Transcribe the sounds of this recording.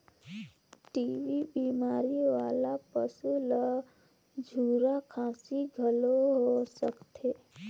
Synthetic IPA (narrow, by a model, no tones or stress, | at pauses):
ʈiːʋibiːmaːɾiʋaːlapəsulə | d͡ʒʱuːɾakʰaːsiɡʱəloɦosəkt̪ʰeː